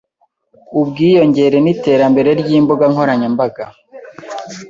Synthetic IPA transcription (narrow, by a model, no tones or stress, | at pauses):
ubɡiːjo̞ɲɟe̞ɾe̞nite̞ːɾambe̞ɾe̞ɾɟiːmboɡaŋho̞ɾaɲembaɡa